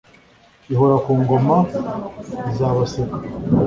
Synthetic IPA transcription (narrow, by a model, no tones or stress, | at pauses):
iɦoɾakuːŋɡo̞ma | izaːβasekḁ